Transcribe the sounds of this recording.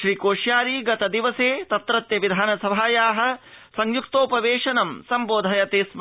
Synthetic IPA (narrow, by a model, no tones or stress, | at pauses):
ʃɾiːkoːʃjaːɾiːɡɐt̪ɐd̪iʋɐseːt̪ɐt̪ɾɐt̪jɐʋid̪ʱaːnɐsɐbʱaːjaːɦɐ̆ | sɐŋjukt̪oːpɐʋeːʂɐnɐmsɐmboːd̪ʱɐjɐt̪eːsm